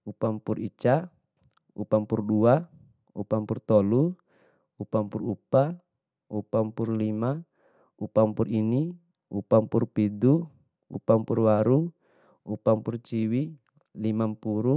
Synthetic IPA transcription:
upampurit͡ʃa | upampurdua | upampurt̪ɔlu | upampurupa | upampurlima | upampurini | upampurpidu | ṵpampurwaɾu | upampurt͡ʃiwi | limampuɾu

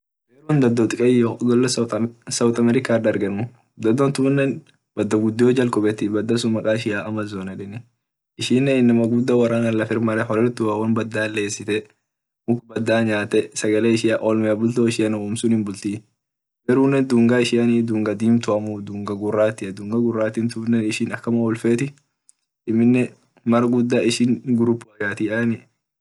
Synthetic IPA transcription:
ɡeːɾund̪ɐd̪ːɔt̪ʼɪkʼɐjoɡɔlːɐsɐwt̪ʼɐmɛɾɪkaːᶑɐɾɡɐnʊ | d̪ɐd̪ːɔnt̪ʊnːɛn | b̥ɐd̪ːɐɡʊd̪ːɪɔːd͡ʒɐlkʼɔbɛt̪ɪbɐd̪ːɐsʊmɐkʼaːɪʃɪjaːʔɐmɐzoːnɐᶑɪnɪ | ʔɪʃiːnːeɪnːɐmɐɡʊd̪ːɐwɐɾaːnɐlːɐfɪɾmɐɾɛɦɔɾɛɾt̪ʊawɐnbɐd̪ːaːlːe̞ːsɪt̪ɛ | mʊkbɐd̪ːaːɲaːt̪ɛsɐɡɐleːɪʃɪjaːʔoːlmɪɐbʊlt̪oːɪʃɪjɐnuːmsʊnhɪnbʊlt̪iː | ɡɛɾuːnːɛnd̪uːŋɡaɪʃɪjɐnid̪uːŋɡɐd̪iːmt̪ʊɐmud̪uːŋɡɐɡʊrːaːt̪ːɪɐd̪uŋɡɐɡʊrːaːt̪ɪmt̪ʊːnːɛɪʃɪnɐkːɐmɐɔlfeːt̪ɪ | ʔɪmːɪnːɛ | mɐɾɡʊd̪ːaɪʃɪnɡʊɾʊpːʊɐɡaːt̪ɪʔanɪ

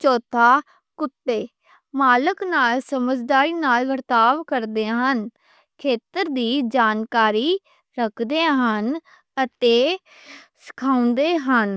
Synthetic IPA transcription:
t͡ʃɔːt̪ʰaː | kʊʈːeː | maːləknaːlsəməd͡ʒd̪aːɾiːnaːlʋəɾt̪aːʋkəɾd̪eːɦən | kʰeːt̪əɾd̪iːd͡ʒaːnkaːɾiː | ɾəkʰd̪eːɦən | ət̪eː | sɪ̥kʰaːʊ̃nd̪eːɦən

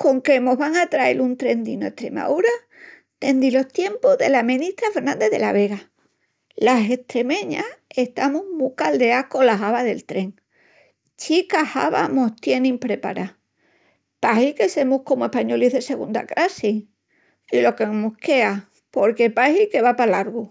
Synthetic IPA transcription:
ko̞ŋkemo̞ɦβaŋat̪ɾae̞̰lunt̪ɾe̞nd̪inoe̞ht̪ɾe̞̰ma̰uɾa | t̪e̞nd̪ilo̞ht̪je̞mpoðe̞lamĩnit̪ɾafe̞ɾnãnd̪e̞ðe̞̰laβe̞ɣa | lase̞ht̪ɾe̞mẽ̞ɲae̞ht̪amumukald̪e̞ako̞laɦaβaðe̞lt̪ɾe̞ŋ | t͡ʃikaha̰βa̰most̪je̞nĩmpɾe̞pa̰ɾa | paɦilke̞se̞muhko̞moehpaɲo̞liðe̞se̞ɣ̞und̪a̰kɾasi | ilo̞keŋmuke̞a | po̞ɾke̞pahilke̞βapalaɾɣu

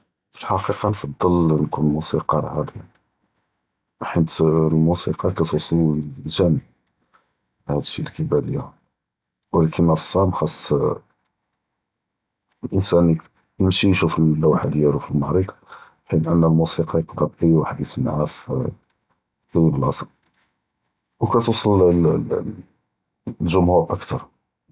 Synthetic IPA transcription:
fə̥lħɑqiqɑnfɑd̪ˤːəlnkunlmusiqɑlʕɑd̪ˤi | ħət̪lmusiqɑkæt̪wsˤluʒænəb | hæd̪ʃilkibæliæ | wəlækʰənːɾˤsˤːæmxɑsˤː | lʔənsæn | jəmʃijʃufəlːæwħad̪jælufilmaʕɾiq̪ɑ̥ | ħinʔənːælmusiqɑjəqd̪əbʔəjwaħəd̪əsəmʕaf | ʔæwibəlʔɑsˤəl | wkæt̪usˤəl | lʒʊmhuɾʔəkt̪ɑɾˤ

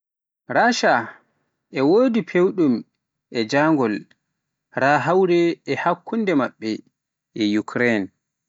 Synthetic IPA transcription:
ɾaʃa | ʔɛwoːdipʰewɗum | ʔɛd͡ʒaːŋɡɔl | ɾaːɦawɾɛːhakːundɛmaɓːɛ | ʔɛjukʰɾɛn

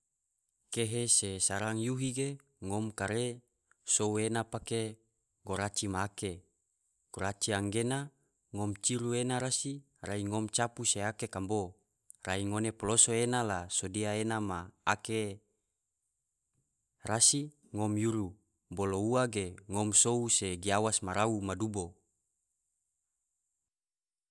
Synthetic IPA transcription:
keɦesesaɾaŋjuɦiɡe | ŋomkaɾe | souenapake | ɡoɾat͡ʃimaːke | ɡ̥oɾat͡ʃiaŋɡena | ŋomt͡ʃiɾuenaɾasi | raiŋomt͡ʃapuseakekambo | raiŋonepolosoenalasodiaenamaːke | rasi | ŋɔmjuɾu | bolouaɡeŋɔmsouseɡiawasmaɾaumadubo

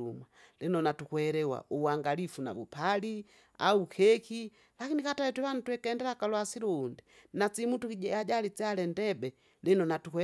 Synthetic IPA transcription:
uma | linɔnatukwɛɾɛwa̰ʔuwaŋɡalifuna̰vupali | a̰ukʰɛki | lakinikatawɛtɛβanitwɛkɛndɛɾakalɔasiɾuːndi | nat͡simutukiɟɛaɟalit͡salɛndɛbɛ | linɔnatukwɛ

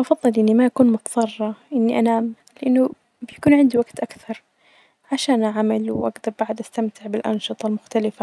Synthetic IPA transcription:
ʔɑfɑðˤːɨlʔɪnːimaʔakuːnmʊt̪ɑðˤɑrˤːɑʔɪnːiʔanaːm | lɪʔɪnːʊ | bɪjakuːnʕɪnd̪iwaɡt̪ʔakθɑɾˤ | ʕaʃaːnʔaʕmalwʔa̰ɡd̪ɑɾˤbaʕd̪ʔast̪amt̪ʰɪʕbɪlʔɑ̰nʃɨt̪ˤɑlmʊxt̪alɪfa

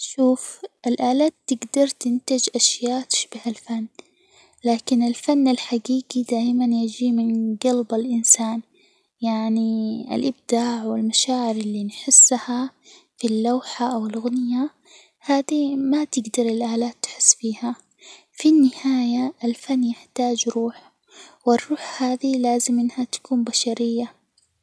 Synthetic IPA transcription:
ʃuːfʔɪlʔaːlaːt̪ːɪɡd̪ɑɾˤt̪ɪnt̪ad͡ʒʔaʃjaːʔt̪ɪ̥ʃbɪhalfanː | laːkɪnɪlfanːalħaɡiːɡid̪aːʔɪmanjad͡ʒimɪnɡalbalʔɪnsaːn | jaʕniɪ̰lʔɪb̚d̪̥aːʕwɪlmaʃaːʕɪɾɪlːinħɪsːhafilːawħaʔawɪlɣʊnja | haːd̪imat̪ɪɡd̪ɑɾˤɪlʔaːlaːt̪ːɪ̥ħɪ̥sːfiːha | finːɪhaːjaɪlfanːjɪħt̪aːd͡ʒɾuːħ | wɪrˤːuːħhaːðilaːzɪmʔɪnːhat̪ḁkuːmbaʃaɾɪjːa

